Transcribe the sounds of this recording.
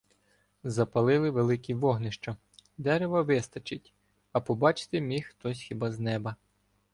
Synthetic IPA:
zɐpɐlˠɪlˠɪʋelˠɪkiʋɔɦnɪʃt͡ʃɐ | d̪ɛɾeʋɐʋɪst̪ɐt͡ʃɪtʲ | ɐpɔbɑt͡ʃɪ̥t̪ɪmʲixt̪ɔsʲxʲibɑznɛbɐ

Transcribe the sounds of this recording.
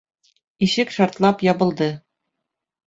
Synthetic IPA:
iɕɘkʃɑɾt̪lˠɑpjɒbɤ̆lˠd̪ɤ

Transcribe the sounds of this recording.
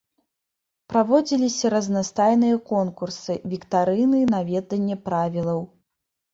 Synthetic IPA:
pɾavɔd͡zʲilʲisʲɐɾɐznast̪ajnɨjɐkɔnkursɨvʲikt̪aɾɨnɨnavʲɛd̪ɐnʲːɛpɾavʲilˠɐw

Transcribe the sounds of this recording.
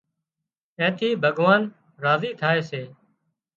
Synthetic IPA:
ẽːt̪ʰiːbʱəɠʋaːn | ɾaːziːt̪ʰaːeːseː

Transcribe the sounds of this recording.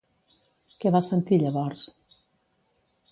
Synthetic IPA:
kɛβasənt̪iʎəβɔɾs

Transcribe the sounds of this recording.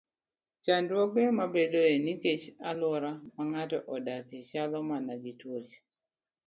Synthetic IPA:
t͡ʃandwɔɡemabedoeniket͡ʃalɔɾamaŋatɔ̰ʔɔdaket͡ʃalɔmanaɡitwot͡ʃ

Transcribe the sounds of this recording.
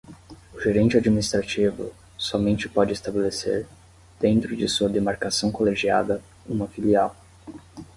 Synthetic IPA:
ʊʒeɾẽnt͡ʃɪad͡ʒminist̪ɾat͡ʃivʊ̰ | sɔmẽnt͡ʃɪpɔd͡ʒɪːst̪abelesḛɾ | d̪̥ẽnt̪ɾʊd͡ʒɪsuɐd̪emaɾkasɐ̃w̃koleʒia̰d̪ɐ | ũmɐfiliaw

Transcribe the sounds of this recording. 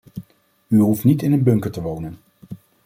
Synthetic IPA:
yɦuftnitɪnənbɵŋkəɹtəʋownən

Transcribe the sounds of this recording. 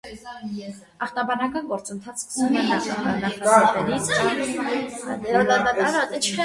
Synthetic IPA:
ɑχt̪ɑbɑnɑkɑnɡɔɾt͡sənt̪ʰɑt͡sʰumɛnɑχɑkɑnɑχnɑɛɾit͡sʰ | ɑk̪ɑɾaət͡ʃʰkʰɛ

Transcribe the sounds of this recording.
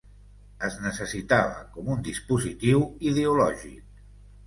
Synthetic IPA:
əznəsəsit̪aβə̰kɔmund̪ispuzit̪iwiðeulɔʒḭk̚

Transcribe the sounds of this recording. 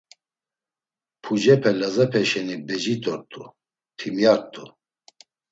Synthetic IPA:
pʰud͡ʒɛpʰɛlazɛpʰɛʃɛnibɛd͡ʒit̪ʼɔɾt̪ʼu | t̪ʰimjaɾt̪ʼu

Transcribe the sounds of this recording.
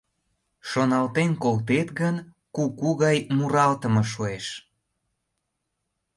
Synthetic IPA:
ʃonɑlt̪enkolt̪et̪ɣən | kukuɣɑjmuɾɑlt̪ə̆mɤʃueʃ

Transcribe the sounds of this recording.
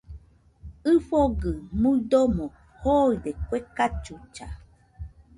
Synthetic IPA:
ɨfoɡɨmud̪omõ | hoidekʷekat͡ʃut͡ʃa

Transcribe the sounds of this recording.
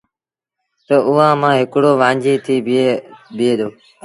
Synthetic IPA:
t̪əʔʊʋãːmãːɦɪkɽoːʋãːɲd͡ʒiːt̪ʰiː | bɪeːd̪oː

